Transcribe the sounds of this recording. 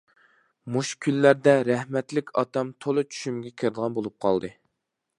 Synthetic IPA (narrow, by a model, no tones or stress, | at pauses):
muʃkʲʰylːæɾd̪ɛɾɛhmɛt̪lɪkʲɑ̰t̪ɑmt̪ʰolˠɨt͡ʃʰy̥ʃymɡʲɛkʲʰeɾd̪əʁɑnbolˠup̚qʰɑ̰lˠd̪ɨ